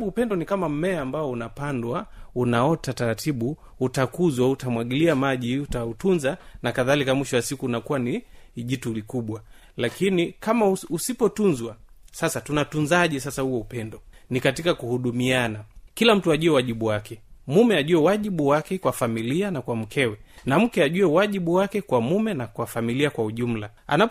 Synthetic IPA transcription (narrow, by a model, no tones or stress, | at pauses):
uupɛndɔnikamam̩mɛaːmbaɔunapandwaunaɔtataɾatʰiɓu | utakuzwautamwaɠiliamaʄiutautunzanakaðalikamwiʃɔwasikuːnakuwaniʄitulikuɓwa | lakinikamausipɔtunzwasasatunatunzaʄɛsasahuɛupɛndɔnikatikakuhuɗumianakilam̩tuaʄuɛwaʄiɓuwakɛmumɛaʄuɛwaʄiɓuwakɛkwafamilianakwam̩kʰɛwɛnam̩kɛaʄuɛwaʄiɓuwakɛkwamumɛnakwafamiliakwauʄum̩la | a̰nap